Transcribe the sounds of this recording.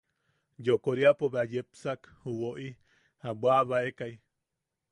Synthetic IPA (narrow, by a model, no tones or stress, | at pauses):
d͡ʒokoɾiapoβeajepsakhuwoʔi | habwaβaekai